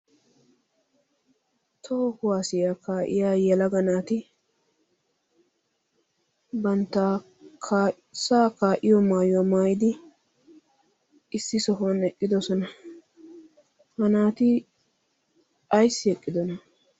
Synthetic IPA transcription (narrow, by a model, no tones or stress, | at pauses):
t̪ʰoːhʊwaːsɪjaːkaːʔɪ̰jaːjɛlɐɡɐnaːt̪ɪ | bɐnt̪ːaː | kʰː | saːkaːʔɪjɔmaːjʊwɔmaːjɪd̪ɪ | ɪsːɪsɔɦɔnɛkʼːɪd̪ɔsɔnɐ | hɐnaːt̪ɪ | ʔɐjsːɪɛkʼːɪd̪ɔnɐ